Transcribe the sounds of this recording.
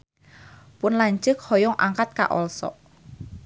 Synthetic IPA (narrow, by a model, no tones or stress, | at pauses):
pʊnlaɲd͡ʒək̚hɔjɔŋʔa̰ŋkat̪̚ka̰ʔɔlsɔ̰ʔ